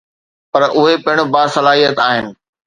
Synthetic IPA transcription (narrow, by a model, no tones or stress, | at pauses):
pɐɾʊɦepɐɦɪ̃ɽ̃ʊbaːsɐlaːɦijət̪aːɦɪnɪ̆